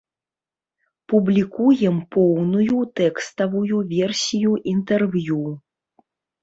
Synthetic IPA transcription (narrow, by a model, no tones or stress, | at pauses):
publʲikujɛmpɔwnujut̪ɛkst̪ɐvujuvʲɛrsʲijuʔint̪ɛrvʲju